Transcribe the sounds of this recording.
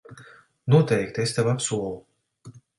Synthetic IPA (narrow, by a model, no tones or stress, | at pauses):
nuɔt̪ɛjkt̪est̪avapsuɔlˠu